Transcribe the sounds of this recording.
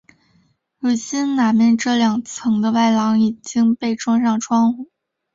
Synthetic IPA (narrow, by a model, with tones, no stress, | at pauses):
ɻu˨˩ɕi˥nna˨˩mjɛ˥˧nʈ͡ʂɤ˥˩ljɑ˨˩ŋt͡sʰɤ˧˥ŋd̪ə˧wa˥˩ɪlɑ˧˥ŋi˨˩t͡ɕi˥ŋpe˥˩ɪʈ͡ʂʰwɑ˥ŋʂɑ˥˩ŋʈ͡ʂʰwɑ˥ŋu˥˩˦